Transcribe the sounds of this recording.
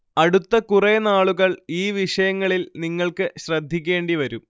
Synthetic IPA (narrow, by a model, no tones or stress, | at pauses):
ɐɽut̪ːɐkurɐjɐnaːɭuɣɐɭiːʋiʂɐjɐŋːɐɭilniŋːɐɭkɨɕrɐd̪ʱːik̬ʲːe̞ːɳɖiʋɐɾu